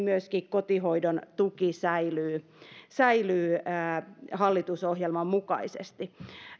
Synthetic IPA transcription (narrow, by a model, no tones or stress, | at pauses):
myøskikkot̪ihoidont̪ukisæilyː | sæilyː | hɑlːit̪usohjelmɑmmukɑ̰isḛst̪i